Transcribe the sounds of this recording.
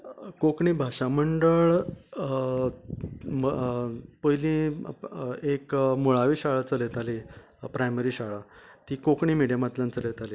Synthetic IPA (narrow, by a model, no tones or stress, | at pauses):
kokɳiːbʱaɕaməɳɖəɭ | pəilĩ | ekmoɭaʋiːɕaɭat͡səlet̪ali | pɾajməɾiːɕaɭat̪iːkokɳiːmiɽijamat̪lãnt͡səlet̪aliː